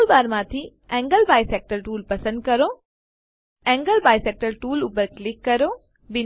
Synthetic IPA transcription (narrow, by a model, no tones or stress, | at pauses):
lbaːɾmãt̪ʰi | ɛ̃ːŋɡəlbaːjseːk̚ʈəɾʈuːlpɐsə̃nd̪̚kɐɾo | ɛ̃ːŋɡəlbaːjseːk̚ʈəɾʈuːlʊpəɾklɪkːɐɾo | bɪn